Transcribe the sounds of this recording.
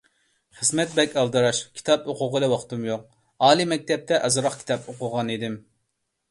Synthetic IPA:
χəzmɛt̪̚bɛkʲɑlˠd̪ɨɾɑʃkʲʰi̥t̪ʰɑpoqʊʁɨlˠɨwɑχt̪umjoq̚ | ɑːlˠimɛk̚ʲt̪ʰɛp̚t̪ʰɛʔɑzɾɑχkʲʰi̥t̪ʰɑpoqʊʁɑnid̪ɪm

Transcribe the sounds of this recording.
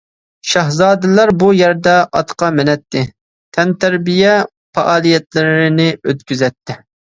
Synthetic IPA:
ʃɑɦzɑːd̪ɨlɑɾbujæɾd̪ɛʔɑt̪qʰɑmɪnɛt̪ʰːɪ | t̪ʰɛnt̪ʰæɾbijɛ | fɑʔɑːlˠijɛt̪lɪɾɾɪnɪøt̪̚kʲyzɛt̪ːɪ

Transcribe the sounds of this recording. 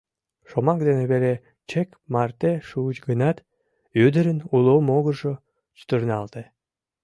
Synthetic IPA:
ʃomɑk̚d̪eneβele | t͡ɕek | mɑrt̪eʃuət͡ɕɡənɑt̪ | yd̪əɾənulˠomoɣərʒo | t͡ɕy̥t̪ərnɑlt̪e

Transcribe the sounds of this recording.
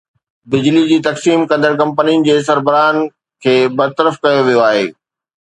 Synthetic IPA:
bɪd͡ʑlid͡ʑiːt̪ɐksiːmkɐ̃nd̪əɾkɐ̃mpəniʊnɪ̆d͡ʑeːs̬ɐɾbəɾaːn | kʰeːbɐɾt̪əɾəfkɐjoʋijoaːɦḛː

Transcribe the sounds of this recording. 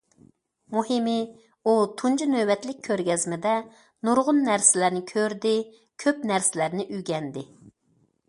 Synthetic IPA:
muhimɪ | ut̪ʰund͡ʒunøbɛt̪lɪk̚ʲʰːøɾɡʲɛzmɪd̪ɛ | nuɾʁʊnːæɾsɪlæɾnɪkʲʰøɾd̪ɪ | kʲʰøpnæɾsɪlæɾnɪʔyɡʲɛnd̪ɪ

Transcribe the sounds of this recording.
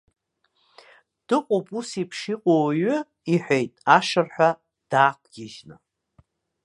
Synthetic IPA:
d̥ɨqʷʼopʼusipʰʂiqʷʼowɥʊ | iħʷᶣejtʼaʂɨrħʷᶣa | d̥aːkʷʰʼɡʲɪʒna

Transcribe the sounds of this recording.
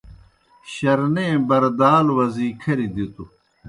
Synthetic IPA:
ɕɐɾnẽbɐɾd̪aːlwɐziːkʰɐɾid̪it̪u

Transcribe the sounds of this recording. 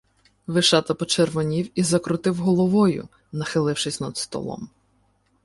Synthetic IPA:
ʋɪʃɑt̪ɐpɔt͡ʃerʋɔnʲiwizɐkɾʊt̪ɪwɦɔlˠɔʋɔjʊ̰ | nɐxɪlˠɪwʃɪsʲnɐd̪st̪ɔ̰lˠɔ̰m

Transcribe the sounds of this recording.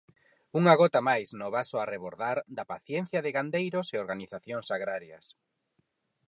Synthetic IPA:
uŋaɣɔt̪amajsnʊβasʊareβoɾðaɾd̪ɐpaθjɛn̟θjɐðɪɣand̪ejɾʊseoɾɣaniθaθjoŋsaɣɾaɾjɐ̰s

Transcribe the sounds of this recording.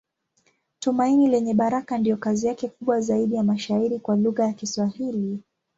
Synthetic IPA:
tumainilɛɲɛɓaɾakandijɔkaziakɛkuɓwazaiɗijamaʃaiɾikwaluɣajakiswahili

